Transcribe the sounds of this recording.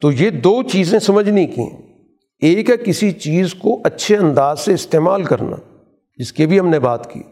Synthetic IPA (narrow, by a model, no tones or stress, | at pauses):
t̪oːjed̪oːt͡ʃiːzẽsɐməd͡ʒʱnĩkḭ̃ː | eːkkɪsit͡ʃiːzkoʔɐtːʃʰeɐ̃nd̪aːzseɪst̪eːmaːlkɐɾna̰ː | d͡ʒɪskebʱiɦɐmnebaːt̪kḭː